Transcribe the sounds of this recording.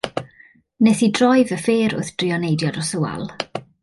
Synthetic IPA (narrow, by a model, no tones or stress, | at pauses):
nɛθidrɔjvəfeːɾʊ̰θd̥riɔnejdjɔdɔsʊwa̰lˠ